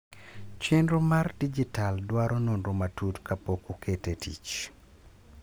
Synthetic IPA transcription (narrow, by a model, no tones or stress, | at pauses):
t͡ʃenɾomardid͡ʒitaldwaɾɔnonɾomatutkapokukʰetetḭt͡ʃ